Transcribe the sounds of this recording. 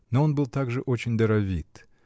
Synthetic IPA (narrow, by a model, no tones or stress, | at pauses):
noonbɨlˠt̪aɡʐɨʔot͡ɕɪnʲd̪ɐɾɐvʲit̪